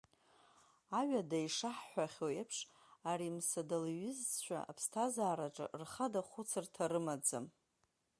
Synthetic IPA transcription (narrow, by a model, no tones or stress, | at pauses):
aɥadaiʂaħħʷaχʲoepʰʂ | aɾimsadalɥɪzt͡ɕʷʰᶣa̰a̰pʰstʰazaːɾaʈ͡ʂʼɨ̰rχadaχʷʊt͡sʰɨrtʰaɾɨmad͡zɨ̰m